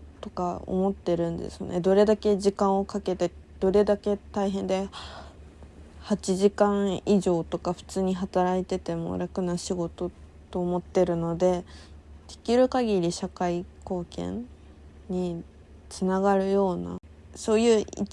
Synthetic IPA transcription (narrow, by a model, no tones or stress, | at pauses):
t̪o̞̥kao̰mo̞t̪ːe̞ɾɯ̟̃nd̪e̞̰sɨ̥o̰nʔḛd̪o̞ɾe̞d̪ake̞ʑikãɰ̃o̞kake̞t̪e̞d̪̥o̞ɾe̞d̪ake̞t̪aiɦẽ̞nd̪e̞ | hat͡ɕiʑikãɰ̃iʑo̞ːt̪o̞kaɸɯ̟̥t͡sɨːɲ̟iɦat̪aɾait̪e̞t̪e̞mo̰ɾakɯ̟naɕiɡo̞t̪o̞ | t̪o̞ːmo̞t̪ːe̞ɾɯ̟no̞d̪e̞t̪i̥kʲiɾɯ̟kaɡʲiɾʲiɕakaiko̞ːkẽ̞̰n | ɲi | t͡sɨnaɡaɾɯ̟jo̞ːna̰ | so̞ːjɯ̟ːi